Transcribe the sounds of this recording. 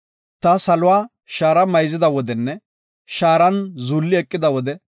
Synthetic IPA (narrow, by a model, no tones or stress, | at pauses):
t̪ɐsɐlʊwaː | ʃaːɾɐmɐjzɪd̪ɐwɔd̪ɛnːɛ | ʃaːɾɐnzulːɪɛkʼːɪd̪ɐwɔd̪ɛ